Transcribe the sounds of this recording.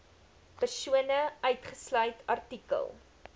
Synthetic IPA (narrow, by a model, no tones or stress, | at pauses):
pərsuənəœɥtχəslœɥtʰɐrtikə̰lˠ